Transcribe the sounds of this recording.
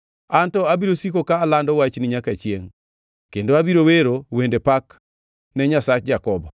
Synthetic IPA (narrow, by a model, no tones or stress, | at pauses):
antɔabiɾosikokaːlandɔwat͡ʃnɪɲakat͡ʃjeŋ | kendoabiɾoweɾowendepak | nɛɲasat͡ʃd͡ʒakɔbɔ